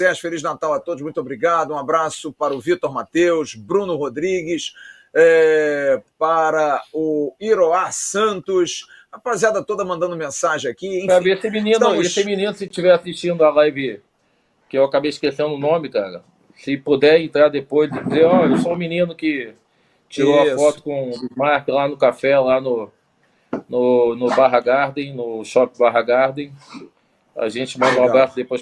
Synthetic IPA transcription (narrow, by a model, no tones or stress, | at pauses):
sɛʃfeliʒnat̪awat̪od̪ʊʃmũj̃t̪obɾiɡad̪ɐũabɾasʊpaɾɐʊvit̪oɾmat̪ewʃbɾũnʊhod̪ɾiɡɪs | ɛ | paɾɐʊiɾoasɐ̃nt̪ʊʃ | apaziad̪ɐt̪od̪ɐmɐ̃nd̪ɐ̃nd̪ʊmẽsaʒẽj̃akiẽpfavesɪminĩnʊessɪminĩnʊsɪʃt͡ʃivɛɾasiʃt͡ʃĩnd̪ʊalajvɪ | kɪewakabejiʃkesẽnd̪ʊnõmɪkaɾɐ | sɪpud̪ɛɾẽnt̪ɾaɾd̪epojzzɪd͡ʒɪzeɾɔewsoũminĩnʊkɪ | t͡ʃiɾowɐfɔt̪ʊ̥kõumaɾkɪlanʊkafɛlanʊ | nʊnʊbaɦɐɡaɾd̪ẽj̃nʊʃɔpɪbaɦɐɡaɾd̪ẽj̃ | a̰ʒẽt͡ʃɪmɐ̃nd̪ɐũabɾasʊd̪epojʃ